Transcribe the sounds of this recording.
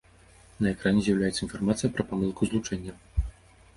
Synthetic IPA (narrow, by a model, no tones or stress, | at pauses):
nɐɛkɾanʲɛzʲjɐwlʲajɛt̪səinfarmat̪sɨjɐpɾɐpamɨlˠkuzlˠut͡ʂɛnʲːɐ